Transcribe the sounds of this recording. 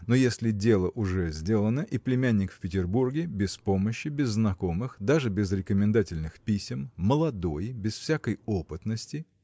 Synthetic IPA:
nojesʲlʲɪdʲe̞lˠəʔʊʐɛzʲdʲe̞lˠənəʔiplʲɪmʲænʲːɪkfʲpʲɪtʲɪrburɡʲɪbʲɪspo̞məɕːɪbʲɪzːnɐko̞mɨxd̪aʐɨbʲɪzɾʲɪkəmʲɪ̃nd̪atʲɪlʲnɨxpʲisʲɪmːəlˠɐd̪o̞jbʲɪsfsʲæakəjopɨt̪nəsʲtʲɪ

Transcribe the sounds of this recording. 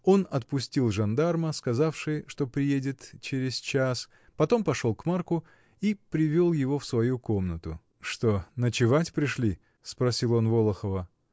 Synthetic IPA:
o̞nɐt̪̚pʊsʲtʲilˠʐɐnd̪arməskɐzafʂɨjʂt̪o̞pɾʲɪjedʲɪt̪t͡ɕeɾʲɪz̥t͡ɕas | pɐt̪o̞mpɐʂo̞lˠkmarkʊ | ipɾʲɪvʲolˠjɪvo̞fsvɐjuko̞mnət̪ʊ | ʂt̪o̞nət͡ɕɪvatʲpɾʲɪʂlʲi | spɾɐsʲilˠo̞nvo̞lˠəxəvə

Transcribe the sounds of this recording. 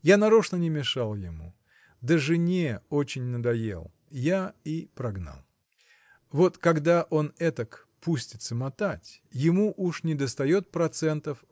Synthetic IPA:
janɐɾoʂnənʲɪmʲɪʂalˠjɪmṵ | d̪əʐɨnʲeot͡ɕɪnʲnəd̪ɐjḛlˠ | jaipɾɐɡna̰lˠ | vo̞t̪kɐɡd̪aʔo̞nɛt̪ək | pusʲtʲɪt̪səmɐt̪atʲjɪmuʔuʂnʲɪd̪əst̪ɐjo̞t̪̚pɾɐt̪sɛnt̪əf

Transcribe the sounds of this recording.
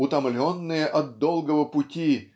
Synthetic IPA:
ʊt̪ɐmlʲonːɨjəʔɐt̪d̪olˠɡəvəpʊtʲi

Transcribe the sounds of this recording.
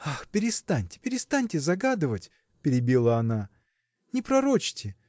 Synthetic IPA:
axpʲɪɾʲɪst̪anʲtʲɪ̥pʲɪɾʲɪst̪anʲtʲɪzɐɡad̪ɨvətʲ | pʲɪɾʲɪbʲilˠəɐna | nʲɪpɾɐɾot͡ɕtʲɪ

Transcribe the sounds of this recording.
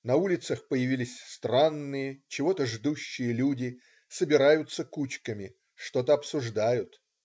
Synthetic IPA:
nɐulʲɪt̪səxpəjɪvʲilʲɪsʲst̪ranːɨjət͡ɕɪvo̞t̪əʐd̪uɕːɪjəlʲudʲɪ | səbʲɪɾajʊt̪səkut͡ɕkəmʲɪ | ʂt̪o̞t̪əɐpsʊʐd̪ajʊt̪

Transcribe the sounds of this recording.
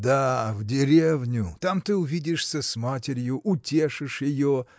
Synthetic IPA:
d̪avdʲɪɾʲevnʲʊt̪amt̪ɨʊvʲidʲɪʂsʲəsmatʲɪɾʲjʊʔʊtʲe̞ʂɨʂjɪjo

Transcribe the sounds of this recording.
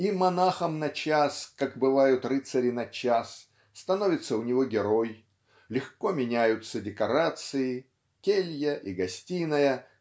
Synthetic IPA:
imɐnaxəmnɐt͡ɕaskakbɨvajʊt̪rɨt̪sɐɾʲɪnɐt͡ɕasː | t̪ɐno̞vʲɪt̪səʊnʲɪvo̞ɡʲɪɾo̞j | lʲɪxko̞mʲɪnʲæjʊt̪sədʲɪkɐɾat̪sɨɪ | kʲelʲjəʔiɡɐsʲtʲinəjə

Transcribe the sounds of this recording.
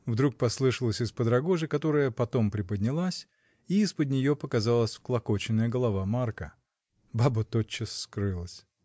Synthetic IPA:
vd̪ɾuk̚pɐslˠɨʂəlˠəsʲɪspəd̪ɾɐɡo̞ʐɨkɐt̪o̞ɾəjəpɐt̪o̞mpɾʲɪpəd̪ʲnʲɪlˠasʲ | iɪspəd̪̚ʲnʲɪjo̞pəkɐzalˠəsʲfklˠɐko̞t͡ɕɪnːəjəɡəlˠɐvamarkə | babət̪ot͡ɕːəsːkɾɨlˠəsʲ

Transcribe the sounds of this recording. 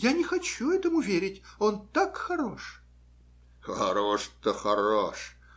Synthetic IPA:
janʲɪxɐt͡ɕuɛt̪əmʊvʲeɾʲɪtʲo̞nt̪akxɐɾo̞ʂ | xɐ̰ɾoʂt̪əxɐɾoʂ

